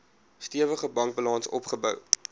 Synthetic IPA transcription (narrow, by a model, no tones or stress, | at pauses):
stiəvəχəbɐŋk̚bəlɑnsɔ̰pχəbœ̰w